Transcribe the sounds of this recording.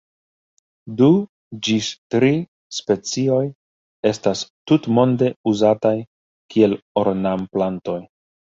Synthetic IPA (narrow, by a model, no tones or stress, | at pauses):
du | d͡ʒistɾi | spe̞t͡sio̞j | e̞stastutmo̞nde̞uzataj | kie̞lo̞ɾnamplanto̞j